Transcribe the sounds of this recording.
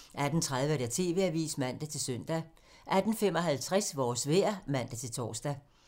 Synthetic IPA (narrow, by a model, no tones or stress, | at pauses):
ʔæd̥n̩t͡sʰʁað̞ˠʋəɾ̥et͡sʰe̝̰ːʋe̝æʋḭːsmæn̰d̥æt͡sʰe̝lsøn̰d̥æ | ʔæd̥n̩femɒ̽ɦælt͡sʰʁasʋɒːsʋeɐmæn̰d̥æt͡sʰe̝lt͡sʰɒ̰ːsd̥æ